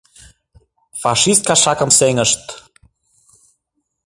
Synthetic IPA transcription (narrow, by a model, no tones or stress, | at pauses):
fɑʃist̪̚kɑʃɑkə̆mseŋəʃt̪